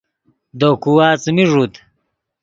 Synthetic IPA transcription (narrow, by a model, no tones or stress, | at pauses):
d̪okuwaːt͡smiʐut̪